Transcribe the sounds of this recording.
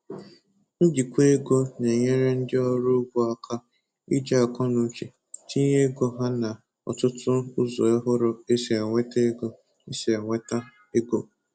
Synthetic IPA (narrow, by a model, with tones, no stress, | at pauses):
n̩˦d͡ʒi˨kʷe˦ɡo˦ne˨ɲe˦ɾe˦n̩˦dɪ˦ɔ˦ɾʊ˦ɡʷɔ˦a˦kʰa˦ | ḭ˦d͡ʒa˦a˨kɔ˦nʊ˨˦t͡ʃe˨ | ti˦ɲe˦ɡo˦ɦa˦na˨ | ɔ̰˨tʊ˦tʊ˦ʊ˦zɔ˨e˦ɦʊ˦ɾʊ˨e˦si˨e˨ŋʷe˦te˦e˦ɡo˦ | e˦se˨e˨ŋʷe˦ta˦ | e˦ɡo˦